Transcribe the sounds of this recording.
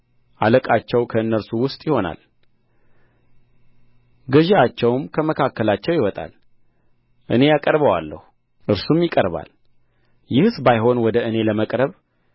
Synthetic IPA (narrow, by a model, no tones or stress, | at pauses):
ʔaləkʼat͡ʃːɛwkʰəɨnːəɾsuwʊst̪ʼjɪho̞na̰l | ɡəʒeat͡ʃːɛwmkʰəməkʰakːəlat͡ʃːɛwjɪwɔt̪ʼa̰l | ʔɨne̞jakʼəɾbəwa̰lːə̰hu | ʔɨɾsumjɪkʼəɾβa̰l | jɪhsbajɦo̞nwɔd̪əɨne̞ləməkʼɾəβ